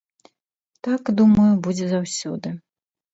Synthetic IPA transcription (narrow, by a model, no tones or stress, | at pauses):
t̪akd̪umɐjubud͡zʲɛzawsʲɔ̰d̪ɨ